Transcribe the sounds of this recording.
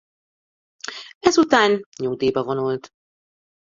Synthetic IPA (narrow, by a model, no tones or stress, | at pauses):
ɛzut̪aːnɲoːd̪eːbɛvonult̪